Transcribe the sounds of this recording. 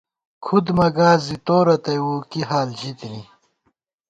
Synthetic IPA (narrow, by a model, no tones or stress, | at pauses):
kʰud̪mɐɡaːzit̪oːɾɐt̪ɐjwuːkiɦaːld͡ʑit̪ni